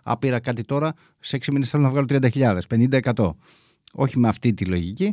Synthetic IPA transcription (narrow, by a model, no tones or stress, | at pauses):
ɐ̰piɾɐkɐt̪it̪o̞ɾɐ | seeksiminesθe̞lonɐvɣɐlot̪ɾiɐnd̪ɐçiʎɐðe̞spe̞nind̪ɐe̞kɐt̪o̞̰ | o̞̰çimeɐft̪it̪ilo̞ʝici